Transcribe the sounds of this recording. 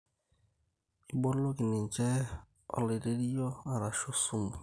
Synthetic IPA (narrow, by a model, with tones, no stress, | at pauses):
i˦ɡ͡bɔ˦lo˦ɡɪ˨nɪ˨n̩˨t͡ʃe˦ | ɔ̰˦lɪ˨ɾe˦ɾi˦jɔ˦a˦ɾa˨ʃo˦su˦mʊ˨